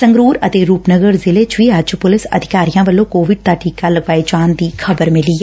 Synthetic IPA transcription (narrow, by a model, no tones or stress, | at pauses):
səŋɡɾuːɾət̪eːɾuːpnəɡəɾzɪleːt͡ʃʋiːəd͡ʒpʊlɪsə̰d̪ʱɪkaːɾijãːʋəlːõːkoːʋɪɖ̚d̪aːʈʰiːkaːləɡʋaːit͡ʃaːnd̪iːkʰəbəɾmɪliːɛ